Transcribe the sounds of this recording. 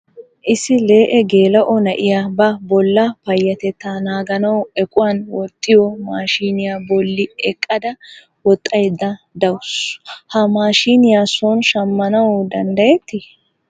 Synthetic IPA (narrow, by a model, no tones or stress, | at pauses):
ʔɪsːɪle̞ːʔɛɡe̞ːlɐʔɔnɐʔɪjabɐbɔlːɐpɐjːɐt̪ɛt̪ːaːnaːɡɐnɐwɛkʼʊwaːnwɔt̪ʼːɪjɔmaːʃiːnɪjaːbɔlːɪɛkʼːɐd̪ɐ | wɔt̪ʼːɐjd̪ːɐ | d̪ɐwʊshɐmaːʃiːnɪjaːsɔnʃɐmːɐnɐwd̪ɐnd̪ɐjɛt̪ːɪ